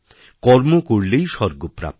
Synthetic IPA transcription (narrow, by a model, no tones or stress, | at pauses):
kɔɾmokoɽlejʃɔɾɡopɾa̰p̚